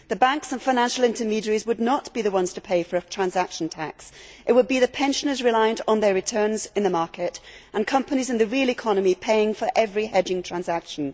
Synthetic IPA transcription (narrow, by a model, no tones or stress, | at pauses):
ðɨbãŋksə̃nfaɪ̃næ̃nʃl̩ˠɪ̃ntʰəmiɾə˞izwədⁿnəʔb̥iðəwʌ̃nz̥tʰəpʰeɪfə˞ɨtʰɹ̥æ̃nzakʃn̩tʰaksʔɨt̚wəd̚biðɨpʰɛ̃nʃə̃nə˞zɹɪlaɪə̃ntn̩ðə˞ɹɨtʰɜ̃˞nzɨ̃nðəmɑɹkɪtʔə̃nkʰʌ̃mpənizɨ̃nðɨɹilˠɪkʰɑnəmipʰeɪɪ̃ŋfə˞ʔɛvɹihɛd͡ʒɪ̃ŋtʰɹ̥æ̃nzakʃə̃n̩